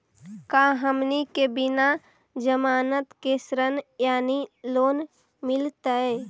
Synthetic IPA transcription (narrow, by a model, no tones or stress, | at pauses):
kaɦəmnikebɪna | d͡ʒəmaːnət̪kesɾənjaːniloːn | mɪlt̪əɛ